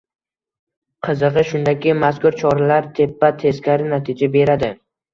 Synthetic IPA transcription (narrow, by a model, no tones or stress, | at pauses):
qʰɨzɨʁɨʃʊnd̪akʲɪmaskʊɾt͡ʃʰɒɾalaɾt̪ʰepːat̪ʰe̞zkʲaɾɪnat̪ʰɪd͡ʒabe̞ɾad̪ɪ